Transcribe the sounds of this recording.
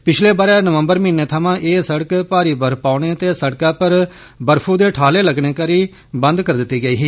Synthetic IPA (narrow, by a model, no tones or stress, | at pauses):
pɪt͡ʃʰleːbaːɾãːnəʋəmbəɾmiːnːeːt̪ʰəmãːʔeːsəɽəkpaːɾiːbəɾpaːɽeːt̪eːsəɽkaːpəɾ | bəɾpʰuːd̪eːʈʰaːleːləɡɳ̃eːkəɾiː | bə̃nd̪kəɾd̪ɪt̪ːiːɡəiːɦiː